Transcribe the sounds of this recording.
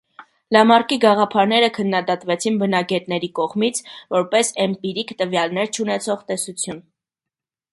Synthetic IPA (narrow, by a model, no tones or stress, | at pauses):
lɑmɑrkiɡɑʁɑpʰɑɾnɛɾəkʰənːɑd̪ɑt̪vɛt͡sʰinbənɑɡɛt̪nɛɾikɔʁmit͡sʰvɔɾpɛsɛmpiɾikt̪əvjɑlnɛɾt͡ʃʰunɛt͡sʰɔʁt̪ɛsut͡sʰjun